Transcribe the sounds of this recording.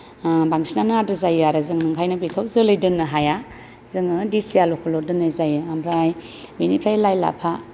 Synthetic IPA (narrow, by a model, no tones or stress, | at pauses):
baŋsinanadɯzajɯaɾɯzɯŋnɯŋkʰajnabikʰawzɯlɯjdɯnɯɦaja | zɯŋɯdisijalɔkʰɔlɔdɯnɯzajɯambʰɾaj | binipʰɾajlajla̰pʰa